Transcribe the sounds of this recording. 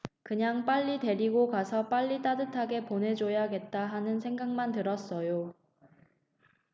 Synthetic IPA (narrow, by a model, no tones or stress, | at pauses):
kɯɲaŋp͈aʎːide̞ɾiɡokasʰʌp͈aʎːit͈adɯtʰaɡe̞ponɦe̞d͡ʑojaɡe̞t̚t͈aɦanɯnsʰeŋɡaŋmantɯɾʌs͈ʌjo